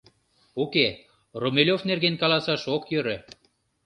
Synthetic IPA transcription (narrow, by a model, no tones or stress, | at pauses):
uke | romelʲofnerɣenkɑlɑsɑʃokjøɾø̆